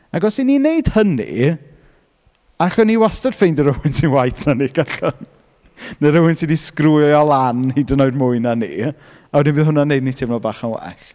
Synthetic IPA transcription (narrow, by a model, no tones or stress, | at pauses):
aɡɔsininejd̥hənḭ | aɬɔniwastad̥fejndəɾəwɨnsinwajθnaniɡ̥aɬɔn | neɾəwɨnsidiskrujɔlˠanhidənɔɨdmʊɨnanḭ | awɛdɪnmbɨðɦʊnanejdnitʰɪmnɔbaːχanwɛ̰ɬ